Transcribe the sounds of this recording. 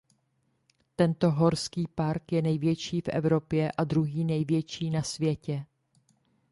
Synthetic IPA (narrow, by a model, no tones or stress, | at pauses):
t̪ɛnt̪o̞ɦo̞ɾskiːpaɾkjɛnɛjvjɛt͡ʃiːfʔɛ̰vɾopjɛʔad̪ɾuɦiːnɛjvjɛt͡ʃiːnasvjɛcɛ